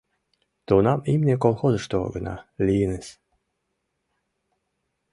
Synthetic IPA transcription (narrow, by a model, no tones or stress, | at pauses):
t̪onɑmimʲnʲekolˠxozəʂt̪o̰ɡənɑ̰lʲijinesʲ